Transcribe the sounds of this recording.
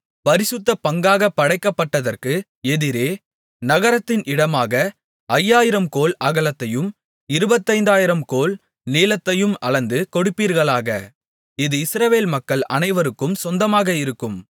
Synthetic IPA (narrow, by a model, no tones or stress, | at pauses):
pɐɾɪsɯt̪ːɐpɐŋɡaːɣɐpːɐɽɐɪkːɐpːɐʈːɐðɐrkɯ | ɛðɪɾeː | nɐɣɐɾɐt̪ːɪnʔɪɽɐmaːɣɐ | ʔɐjːaːjɪɾɐmkoːlɐɣɐlɐt̪ːɐjɯm | ɪɾɯbɐt̪ːɐɪnd̪aːjɪɾɐmkoːl | niːlɐt̪ːɐjɯmɐ̰ɭɐnd̪ɯkɔɽɯpːiːɾɣɐɭaːɣɐ | ɪðɯɪsɾɐʋeːlmɐkːɐɭɐ̰nɐɪʋɐɾɯkːɯmsɔnd̪ɐmaːɣɐɪɾɯkːɯm